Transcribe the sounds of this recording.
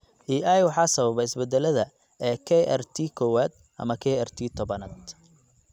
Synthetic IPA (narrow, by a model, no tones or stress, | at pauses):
ʔiːʔajwɑħɑːsɐβɐβɐɪsbɛd̪ɛlɐðɐ | ɛːkʰɛɛ̰rt̪ʰikʰɔwaːd̪̚ | ʔɐ̰mɐkʰɛɛrt̪ʰiːt̪ʰɔbɐnɐd̪